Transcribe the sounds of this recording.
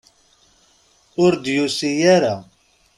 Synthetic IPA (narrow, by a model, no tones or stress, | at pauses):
uɾd̪jusijɛɾa